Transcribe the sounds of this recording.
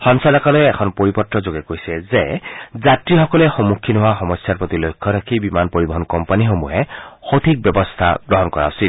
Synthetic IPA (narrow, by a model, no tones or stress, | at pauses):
xɔnsalakɔlɛːkʰɔnpoɹipɔtɹɔzoɡɛkojsɛzezatɹixɔkɔlɛxomukʰːinɔwaxɔmɔsjaɹpɹot̪ilojkʰːɔɾakʰibimanpoɹibɔɦɔnkɔmpanixomuɦɛxot̪ʰik̚bɔbɔst̪ʰa̰ɡɹɔɦɔnkɔɹa̰ʊsil